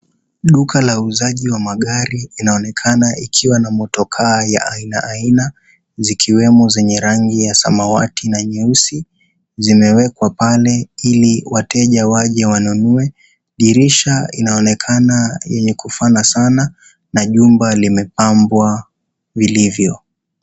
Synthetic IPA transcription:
ɗukʰalauzaʄiwamaɠaɾilinaɔnɛkʰanaʔikʰiwanamɔtɔkʰaːja̰ʔainaʔaina | zikʰiwɛmɔzɛɲɛɾaŋɡijasamawa̰tʰinaɲɛusi | zimɛwɛkwapalɛiliwatɛʄawaʄɛwanunuɛ | ʄiɾiʃainaɔnɛkʰanajɛɲɛkufanasana | naʄumbalimɛpambwa | vilivjɔ

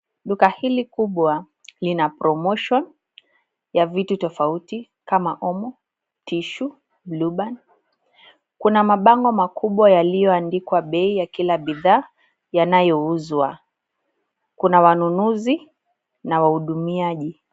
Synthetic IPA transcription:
ɗukahilikuɓwa | linapɾʔɔmɔʃɔn | javitutɔfauti | kamaʔɔmɔ | tiʃu | bluɓan | kunamaɓaŋɡɔmakuɓwajalijɔandikwaɓɛijakilaɓiðaː | janajɔuzwa | kunawanunuzi | nawahuɗumiaʄi

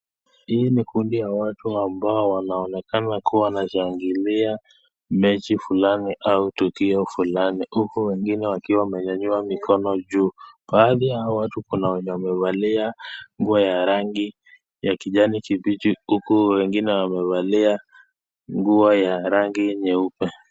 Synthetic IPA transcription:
hiːnikundijawatuambaɔwanaɔnɛkanakuwawanaʃaŋɡilia | mɛt͡ʃifulaniʔautukiɔfulanihukuwɛŋɡinɛwakiwamɛɲaɲuamikɔnɔʄuːɓaːðijawatukunawɛɲɛwamɛvaliaŋɡuɔjaɾaŋɡi | jakiʄanikivit͡ʃihukuwɛŋɡinɛwamɛvalia | ŋɡuɔjaɾaŋɡijɛɲɛupɛ

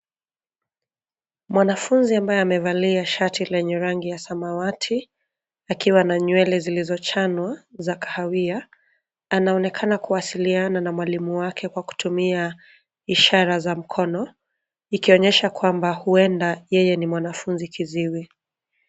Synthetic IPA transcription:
mwanafunziambajɛamɛvaliaʃatilɛɲɛɾaŋɡijasamawatʰi | akiwanaɲwɛlɛzilizɔt͡ʃanwazakḁhawia | anaɔnɛkʰanakuwasiliananamwalimuwakʰɛkwaku̥tʰumia | iʃaɾazam̩kʰɔnɔ | ikiɔɲɛʃakwambahuɛndajɛjɛnimwanafunzikʰiziwi

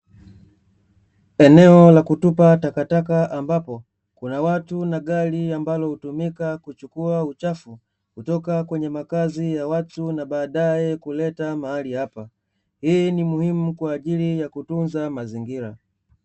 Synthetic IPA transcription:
ɛnɛɔlakutupatakatak̬aʔambapɔ | kunawatunaɡaliambalɔhutumikakut͡ʃukuaut͡ʃafu | kutɔkakwɛɲɛmakazijawatunaɓaːɗajɛkulɛtamahalihapa | hiːnimuhimukwaːʄilijakutunzamaziŋɡiɾa̰

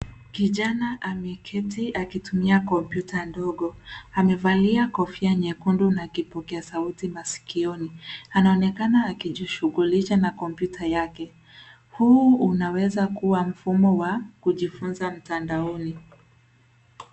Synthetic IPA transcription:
kiʄanaʔamɛkʰɛtiakitumiakɔmpjutandɔɠɔamɛvaliakɔfiaɲɛkundunakipɔkɛasautimasi̥kiɔnianaɔnɛkanaːkiʄiʃuɣuliʃanakɔmpjutʰajakɛ | huunawɛzakuwam̩fumɔwakuʄifunzam̩tandaɔni

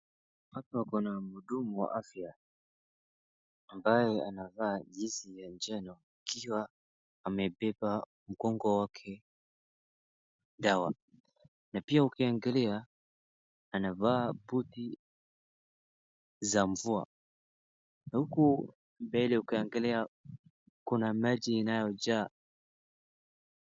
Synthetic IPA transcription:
watuwakɔnamuɗumuwa̰ʔafja | mbajɛa̰navaːʄisijand͡ʒɛnɔ | ikʰiwa | amɛpɛpa | m̩kɔŋɡɔwakʰɛ | ɗawa̰ | napiaukiaŋɡɛlɛa | navaːbuti | zaɱvua | huku | mbɛlɛukiaŋɡɛlɛa | kunamaʄiːnajɔd͡ʒaː

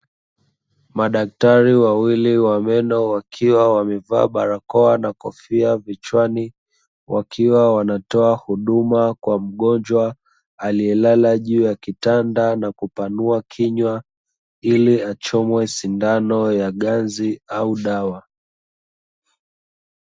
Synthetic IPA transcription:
maɗak̚taɾiwawiliwamɛnɔwakʰiwawamɛva̰ːɓaɾakɔanakɔfiavit͡ʃwani | wʔakʰiwawanatɔahuɗumakwam̩ɠɔnd͡ʒwaː | liɛlalaʄuːjakitandanakupanuakʰiɲwa | iliat͡ʃɔmwɛsindanɔjaɠanziauɗawa

